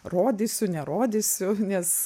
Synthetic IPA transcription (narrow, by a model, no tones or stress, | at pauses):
roːd̪ʲisʲʊnʲɛɾoːd̪ʲisʲʊnʲɛs